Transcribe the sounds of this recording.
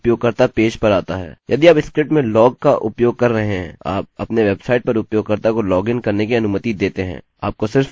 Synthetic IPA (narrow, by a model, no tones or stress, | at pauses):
ʊpjoːɡ̚kɐɾt̪apeːʃpɐɾaːt̪aɦɛ̰ːjɐd̪iaːpɪskɾɪp̚ʈmẽlɔːɡ̚kaʔʊpjoːɡ̚kɐɾːɐɦeɦɦɛ̰̃aːp̚ɐpneʋeːbsaːɪʈ̚pɐɾʊpjoːɡ̚kɐɾt̪akolɔːɡɪnkɐɾnekiɐnuːmət̪id̪eːt̪eɦɛ̰̃ː | a̰ːp̚kosɪɾf